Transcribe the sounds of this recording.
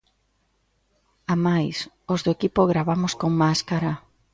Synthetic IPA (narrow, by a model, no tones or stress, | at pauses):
amajs | ozðoekipoɣɾaβamʊskoŋmaskaɾa